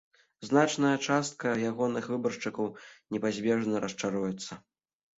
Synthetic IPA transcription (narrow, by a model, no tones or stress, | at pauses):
znat͡ʂnɐjɐt͡ʂast̪̚kɐjaɣɔnɨxvɨbɐrʂt͡ʂɨkɐwnʲɛpazʲbʲɛʐnɐɾʔɐst͡ʂaɾujɛt̪sːɐ